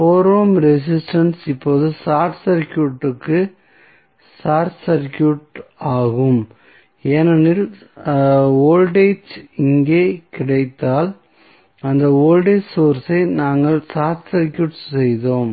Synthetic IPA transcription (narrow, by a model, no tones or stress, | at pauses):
foːɾoːmɾɛs̬ɪsʈɐnsɪpːoːðɯsaːʈsɐɾkjuːʈːɯkːɯ | saːɾsɐɾkjuːʈaːɣɯm | eːnɐnɪl | oːlɖeːt͡ʃɪŋɡeːkɪɽɐɪt̪ːaːl | ɐnd̪ɐoːlɖeːt͡ʃsoːɾsɐɪnaːŋɡɐɭsaːɾʈsɐɾkjuːʈsɛjðoːm